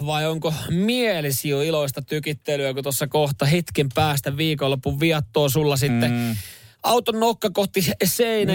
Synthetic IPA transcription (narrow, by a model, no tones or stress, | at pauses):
ʋɑioŋkomielisioiloist̪ɑt̪ykit̪ːelyækut̪osːɑkoht̪ɑhet̪kempæːst̪æʋiːkolːopːuʋʋiɑt̪ːoːsulːɑsit̪ːe | ɑut̪onːokːɑkoht̪ːiseinæ